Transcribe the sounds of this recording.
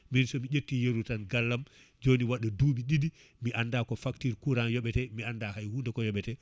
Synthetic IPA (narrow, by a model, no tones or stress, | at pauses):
minsɔmid͡ʒetːijeɾutanɡalːam | d͡ʒoniwaɗːɔduːɓiɗidi | miʔandakɔfaktiɾkuɾanjɔɓɛtɛmiandahajhundɛkɔjɔɓɛtɛ